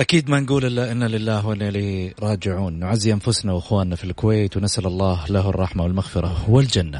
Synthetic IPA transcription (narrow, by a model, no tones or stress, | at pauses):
ʔakiːd̪manɡuːlʔɪlːaʔɪnːalɪlːaːɦwalaliɾˤɑːd͡ʒɪʕuːnːʊʕazːiʔanfʊsnawɪxwaːnːafilkʊweːt̪wnasʔalalˤːɑːhlaɦɑrˤːɑħmawɪlmaɣfɪɾˤɑhʊwald͡ʒanːa